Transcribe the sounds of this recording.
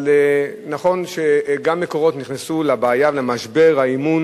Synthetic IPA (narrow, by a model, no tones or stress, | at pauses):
lenaχo̞nʃeɡamːeko̞ʁo̞t̪niχnesulabaːjavelemaʃbe̞ʁhaimun